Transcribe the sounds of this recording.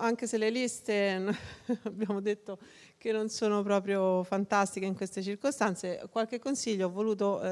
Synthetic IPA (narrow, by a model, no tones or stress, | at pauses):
aŋk̟eselːelist̪enabjaːmod̪et̪ːo | k̟enːonsoːnopɾɔːp̬ɾjofant̪ast̪ikeiŋkwest̪et͡ʃirkost̪ant̪sekwalk̟ekːonsiʎːoavːoluːt̪̬o